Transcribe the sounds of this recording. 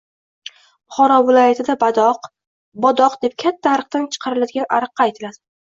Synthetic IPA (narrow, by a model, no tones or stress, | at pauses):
bʊχɒɾɒvɪlˠɒjat̪ʰɪd̪abad̪ɒq | bɒd̪ɒqd̪e̞p̚kʲʰat̪ʰːaaɾɨq̚t̪ant͡ʃʰɨ̥qʰɑɾɪlad̪ɪɡʲanʔa̰ɾɨqːɑːjt̪ʰɪlad̪ɪ